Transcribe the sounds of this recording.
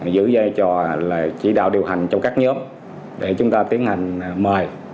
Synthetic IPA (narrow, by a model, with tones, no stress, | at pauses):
zɨ̰˧˥zaː˧jt͡ɕɔ˧˨˩lə̰ː˧˨˩t͡ɕḭ˧˩ɗa̰ː˧˨wɗi˨˩əwɦa˨˩jŋ̟t͡ɕɔ˧wŋ͡mkaː˦˥k̚ɲəː˨˦m | ɗe˧˩t͡ɕʊ˨˦ŋ͡mt̪aː˧t̪i˦ənha˨˩ŋ̟məː˨˩j